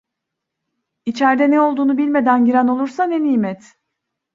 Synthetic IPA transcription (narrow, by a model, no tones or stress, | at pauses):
it͡ʃʰɛɾd̪ɛnɛo̞lˠd̪uːnubilʲme̞d̪ænɟiɾæno̞lˠuɾsaneniːmɛt̪